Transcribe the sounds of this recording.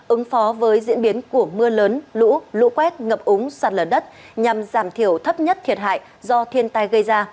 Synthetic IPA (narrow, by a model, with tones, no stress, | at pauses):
ʔɨ˨˦ŋfɔ˨˦vəː˨˦jzḭ˧˥ənɓi˨˦ənku˧˩əmɨ˧ələː˨˦nlṵ˧˥lṵ˧˥kwɛ˦˥t̚ŋə˨˩p̚ʔʊ˨˦ŋ͡mswaː˨˩t̚lə˨˩ɗə˦˥t̚ | ɲa˨˩mzaː˧˩mt̪ʰi˧˩əwt̪ʰə˦˥p̚ɲə˦˥t̚t̪ʰi˨˩ət̚ɦa̰ː˧˨j | zɔ˧t̪ʰi˧ənt̪a˧jɣə˧jzaː˧